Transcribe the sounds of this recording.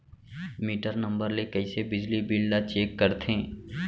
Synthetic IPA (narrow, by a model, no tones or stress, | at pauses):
miːʈəɾnɐ̃mbəɾlekɐisebɪd͡ʒlibilɖnat͡ʃeːkːɐɾt̪ʰẽː